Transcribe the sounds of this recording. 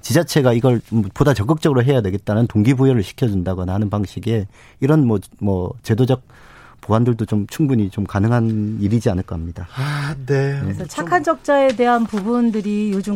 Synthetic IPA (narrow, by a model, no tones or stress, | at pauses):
t͡ɕid͡ʑat͡ɕʰe̞ɡaiɡʌɭpodat͡ɕʌk͈ɯk̚t͡ɕ͈ʌɡɯɾoɦe̞jade̞ɡe̞t̚t͈anɯntoŋɡibujʌɾɯɭɕʰi̥kʰjʌd͡ʑundaɡʌnanɯnpaŋɕ͈ʰiɡe̞ | iɾʌnmʌmʌt͡ɕe̞dod͡ʑʌk̚ | poɦandɯɭdot͡ɕomt͡ɕʰuŋbuɲit͡ɕomkanɯŋɦaniɾid͡ʑianɯɭk͈ʌamɲidanenet͡ɕʰakʰand͡ʑʌk̚t͡ɕ͈ae̞de̞ɦanpubundɯɾijod͡ʑu